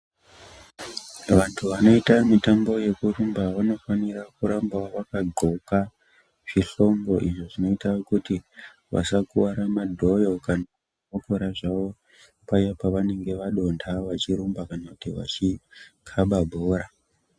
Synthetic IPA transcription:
ʋantʰuʋano̞itamitambo̞je̞kurumbaʋano̞fanirakuɾambaʋakaɡʱo̞ka | ʐ̥iɬo̞mɡo̞ʔiʐo̞ʐino̞itakuti | ʋa̰sakuwaɾamadʱo̞jo̞kana | kokoɾaʐaʋo̞ | pajapaʋane̞ŋɡe̞ʋaɗo̞ntʰaʋat͡ʃiɾumbakanakutiʋa̰t͡ʃikʰaɓabʱoːɾa

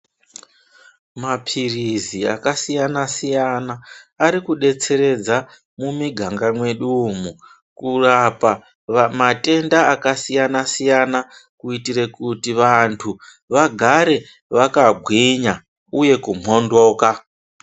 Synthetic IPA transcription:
mapʰirizia̰kasijanasijanaːɾikuɗe̞t͡se̞ɾe̞d͡za | mumiɡʱaŋɡamwe̞ɗuːm̤u | kurapa | mate̞ndaːkasijanasijanakuitire̞kutiʋantʰu | ʋaɡʱaɾe̞ | ʋakaɡʱwiɲa | uje̞kum̤ʱo̞ndo̞ːka

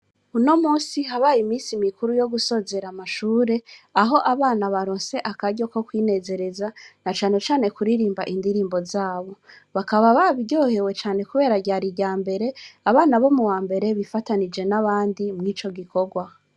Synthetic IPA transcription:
uno̞muːsiɦaβajimiːsimikuɾujo̞ɡuso̞ːze̞ɾamaʃuːɾe̞aɦo̞ʔaβaːnaβaɾo̞ːnse̞ʔakaɟo̞ko̞kwiːne̞ːze̞ɾe̞zanat͡ʃaːne̞t͡ʃaːne̞kuɾiɾiːmbaʔindiɾiːmbo̞zaːβo̞ | βakaβaβaβiɟoːhe̞we̞t͡ʃaːne̞kuβe̞ːɾaɟaːɾiɟaːmbe̞ɾe̞aβaːnaβo̞muwaːmbe̞ɾe̞βifatanid͡ʒe̞naβaːndimŋiːt͡ʃo̞ɡiko̞ɡwa

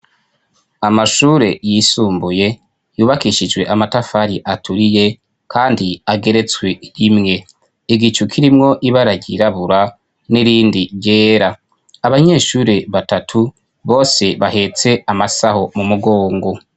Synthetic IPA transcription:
amaʃuːɾe̞jisuːmbuje̞ | juːβakiʃid͡ʒɡwe̞ʔamatafaɾiʔatʰuɾije̞ | kʰaːndiaɡe̞ɾe̞t͡swe̞ɾimŋe̞ | iɡit͡ʃukʰiɾimŋo̞ʔiβaɾaɟiɾaβuɾa | niɾiːndiɾɟe̞ːɾaː | βaɲe̞ːʃuːɾe̞βatatʰu | βo̞ːse̞βahe̞t͡se̞amasaho̞mumuɡo̞ːŋɡo̞

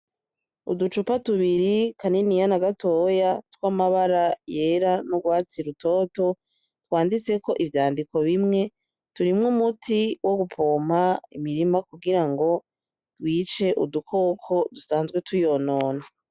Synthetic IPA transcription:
ṵdut͡ʃupatuβiɾikʰaninijanaɡatoːjatwamaβaɾajeɾanuɡwaːt͡siɾuto̞ːto̞ | twaːndit͡se̞ko̞ʔivjaːndiko̞βimŋe̞ | tuɾimŋumutʰiwʔoɡupʰoːmaḭmiɾimakuɡiɾaŋɡo̞ | dwiːt͡ʃe̞ʔudukʰo̞ːkʰo̞dusaːnzɡwetwuijo̞no̞ːna

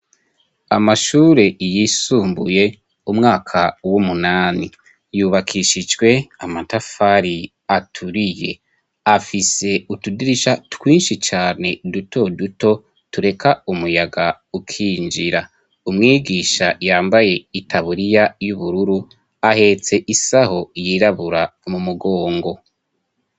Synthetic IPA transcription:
amaʃuːɾe̞jisuːmbuje̞ | umŋaːkʰawumunaːni | juːβakʰiʃid͡ʒɡwe̞amatafaɾi | atʰuɾije̞ | afise̞utudiɾiʃatwiːnʃit͡ʃaːne̞duto̞duto̞ | tuɾe̞kaumujaɡa | ukʰiːnd͡ʒiɾa | umŋiːɡiːʃajaːmbaje̞itʰaβuɾijajuβuɾuɾu | ahe̞t͡se̞ʔisaho̞jiːɾaβuɾamumuɡoːŋɡo̞

